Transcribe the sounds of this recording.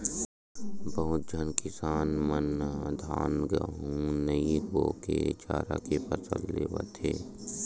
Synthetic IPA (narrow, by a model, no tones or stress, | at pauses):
bəɦʊt̪̚d͡ʒʱənkɪsaːnmənd̪ʱaːnɡəɦũnəiboːket͡ʃaːɾa̰kepəsə̰llḛːʋə̰t̪eː